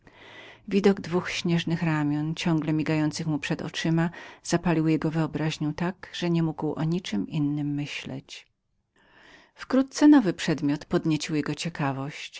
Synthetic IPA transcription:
vʲid̪ɔɡd̪vuxɕɲɛʐnɘxɾamʲjɔnt͡ɕɔŋɡlɛmʲiɡajɔnt̪sɘxmupʂɛd̪ɔ̰t͡ʂɘmaz̥apalʲiwjɛɡɔvɘɔbɾaʑɲut̪aɡʐ̥ɛɲɛmuɡwʔɔ̰ɲit͡ʂɘmʔinːɘmːɘɕlɛ̰t͡ɕ | fkɾut̪̚t̪sɛnɔvɘpʂɛd̪mʲjɔt̪pɔd̪ɲet͡ɕiwjɛɡɔt͡ɕɛkavɔɕt͡ɕ

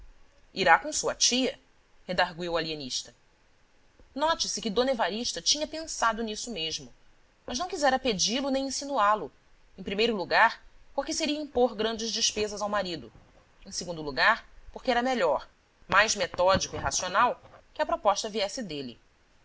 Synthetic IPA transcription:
iɾakõsuɐ̰t͡ʃiɐ | hed̪aɦɡwiwalieniʃt̪ɐ | nɔt͡ʃɪsɪkɪd̪õnevaɾiʃt̪ɐt͡ʃĩɲɐpẽsad̪ʊnisʊmeʒmʊ | mɐʒnɐ̃w̃kizɛɾɐped͡ʒilʊnẽj̃ĩsinualʊ | ẽj̃pɾimejɾʊluɡaɾpoɾkɪseɾiɐĩpoɾɡɾɐ̃nd͡ʒɪzd͡ʒɪʃpezɐzawmaɾid̪ʊ | ẽseɡũnd̪ʊuluɡaɾpoχkeɛɾɐmeʎɔɾ | majzmet̪ɔd͡ʒikʊiɦasionawkɪɐpɾopɔʃt̪ɐviɛsɪd̪elɪ̰

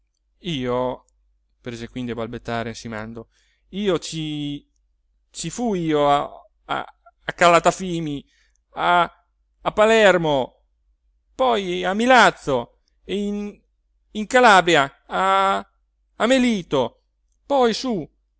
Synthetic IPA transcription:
iːo | pɾezekwind̪iabalbet̪ːaːɾesima̰nd̪o | iːot͡ʃi | t͡ʃifuiːoa | a̰ | akalat̪afiːmi | aː | pːalɛrmo | pɔjamːilat̪sːo | ein | iŋkalaːbɾja | a | meliːt̪o | pɔjsu

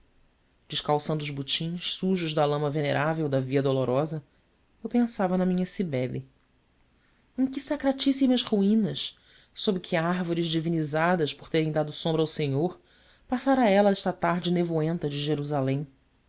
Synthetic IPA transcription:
d͡ʒɪʃkawsɐ̃nd̪ʊzbut͡ʃĩʃsuʒʊʒd̪ɐlɐ̃mɐveneɾʔavewd̪ɐviɐd̪oloɾɔzɐ | ewpẽsavɐnɐmĩɲɐsibɛlɪ | ẽkɪsakɾat͡ʃisimɐʃhuĩnɐs | sobɾɪkʰɪaɾvoɾɪzd͡ʒivinizad̪ɐʃpoɾt̪eɾẽd̪ad̪ʊsõmbɾɐawseɲoɾ | pasaɾɐɛlɐɛʃt̪ɐt̪aɾd͡ʒɪnevoẽnt̪ɐd͡ʒɪʒeɾuzalẽj̃

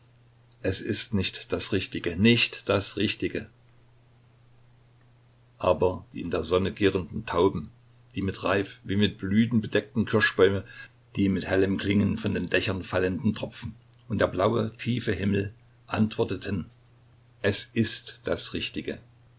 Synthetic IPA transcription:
ʔɛsɪstnɪçtd̥asʁɪçtɪɡənɪçtd̥asʁɪçtɪɡə | ʔaːbɐd̥ḭːɪndeːɐzɔnəɡɪːʁəndn̩tʰaʊbm̩ | d̥iːmɪtʁaɪfviːmɪt̚b̥lyːtn̩bəd̥ɛk̚tn̩kʰɪɐʃb̥ɔʏmə | d̥iːmɪthɛləmkl̥ɪŋənfɔndeːndɛçɐnfaləndn̩tʁ̥ɔpp͡fn̩ | ʔʊntd̥eːɐblaʊətʰiːfəɦɪml̩ | ʔa̰ntv̥ɔɐtətʰən | ʔɛsʔɪstd̥asʁɪçtɪɡə

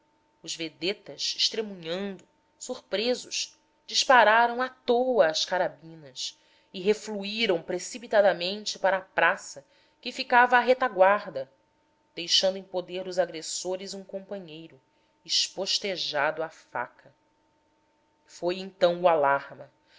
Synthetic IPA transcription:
ʊzved̪et̪ɐʃɪ̥ʃt̪ɾemũɲɐ̃nd̪ʊ | suɾpɾezʊʃ | d͡ʒiʃpaɾaɾɐ̃w̃at̪owɐːskaɾabĩnɐs | ɪɦefluiɾɐ̃w̃pɾesipit̪ad̪ɐmẽnt͡ʃɪpaɾɐːpɾasɐ | kɪfikavɐːɦet̪aɡwaɾd̪ɐ | d̪̥ejʃɐ̃nd̪ʊẽpod̪eɾd̪ʊzaɡɾesoɾɪzũkõpɐ̃ɲejɾʊ | ɪʃpoʃt̪eʒad̪ʊafa̰kʰɐ | fojẽnt̪ɐ̃w̃ualaɾmɐ

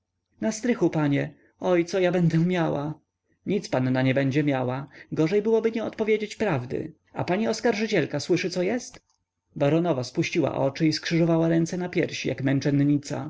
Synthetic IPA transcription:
nast̪ɾɘxupaɲɛ | ɔjt̪sɔjabɛnd̪ɛmʲjawa | ɲit̪spanːaɲɛbɛɲd͡ʑɛmʲjawaɡɔʐɛjbɘwɔbɘɲɛɔt̪pɔvjed͡ʑet͡ɕpɾavd̪ɘ̰ | a̰paɲiɔskaɾʐɘt͡ɕɛlkaswɘʂɘt̪sɔjɛst̪ | baɾɔnɔvaspuɕt͡ɕiwa̰ʔɔ̰t͡ʂɘiskʂɘʐɔvawaɾɛnt̪sɛnapʲjɛɾɕija̰kmɛnt͡ʂɛnɲit̪sa̰

